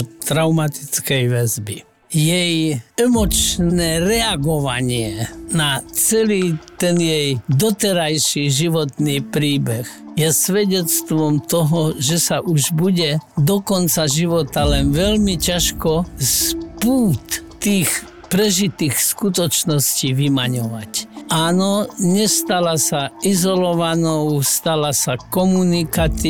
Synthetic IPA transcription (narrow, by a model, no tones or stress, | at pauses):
t̪ɾaʊmat̪i̥t͡skɛjʋɛzbi | jɛjɛmɔt͡ʃnɛːɾɛaɡɔʋaɲɪɛnat͡sɛliːt̪ɛnjɛjd̪ɔt̪ɛɾajʃiʒiʋɔt̪niːpɾiːbɛxjɛsʋɛɟɛt͡st̪ʋɔmt̪ɔɦɔʒɛsaʔuʒbuɟɛd̪ɔkɔnt͡saʒiʋɔt̪alɛnʋɛlmicaʃkɔspuːt̪ː | iːx | pɾɛʒit̪iːxskut̪ɔt͡ʃnɔsciːʋimaɲɔʋacʔaːnɔɲɛst̪alasaizɔlɔʋanɔʊst̪alasakɔmunikat͡si